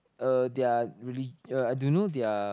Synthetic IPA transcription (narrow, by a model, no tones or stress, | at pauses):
ədeaɹilid͡ʒəajdõnodea